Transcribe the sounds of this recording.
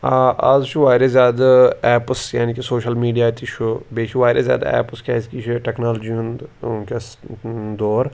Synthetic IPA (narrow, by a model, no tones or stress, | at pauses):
aazt͡ʃʰuʋaːɾezʲjaːd̪ɛːpsjaːnikisoːʃəlmiːɖijaːt̪it͡ʃʰubeːʃʰiʋaːɾezʲja̰ːd̪ɛ̰ːpskʰaːskit͡ʃʰiʈɛknaːld͡ʒiũnd̪ke | d̪oːɾ